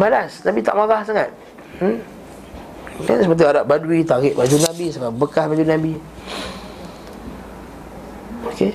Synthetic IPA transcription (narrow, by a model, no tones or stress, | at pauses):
balasnabit̪a̰ʔmaɣahsaŋat̪̩̚ | ka̰nsəpət̪̬iaɾaʔ̚badwit̪aɣɪʔbad͡ʒunabisababəkahbad͡ʒunabi | oke